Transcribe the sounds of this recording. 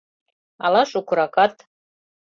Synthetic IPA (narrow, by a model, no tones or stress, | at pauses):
alaʂukʷʰɾakʼat̪ʼ